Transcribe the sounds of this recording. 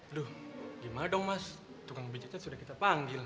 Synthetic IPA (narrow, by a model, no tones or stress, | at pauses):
luhɡimadɔŋmas | t̪ukaŋbid͡ʒaɲasudahkit̪apaŋɡɪl